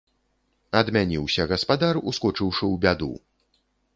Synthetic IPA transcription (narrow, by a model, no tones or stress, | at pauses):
ɐd̪mʲanʲiwsʲɐɣɐspad̪aruskɔt͡ʂɨwʂɨwbʲad̪ṵ